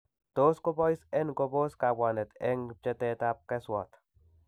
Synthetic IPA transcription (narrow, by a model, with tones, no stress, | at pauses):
to˦sko˦bɔ˦i˦sɛ˦nko˧bo˦ska˨bwa˨nɛ˨t̪ɛ˦ŋ̚t͡ʃɛ˦tɛta˦p̚kɛ˦swɔ˨t̪